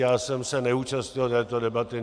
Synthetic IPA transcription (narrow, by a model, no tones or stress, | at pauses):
jaːsɛmsɛnɛuːt͡ʃast̪ɲɪlt̪ɛːt̪odɛbat̪ɪ